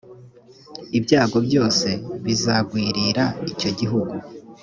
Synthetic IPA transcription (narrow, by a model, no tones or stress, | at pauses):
ibɟaːɡo̞bɟo̞ːse̞βizaɡwiːɾiɾaico̞ɟiɦuɡu